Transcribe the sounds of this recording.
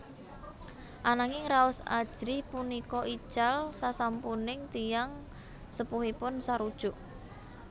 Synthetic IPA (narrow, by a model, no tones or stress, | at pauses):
ʔanaŋɪŋɾaʊsa̰d̥ʒ̥ɾipunikɔʔi̥t͡ʃalsasampunɪŋt̪ijaŋ | səpuɦipʊnsaɾud̥ʒ̥ʊʔ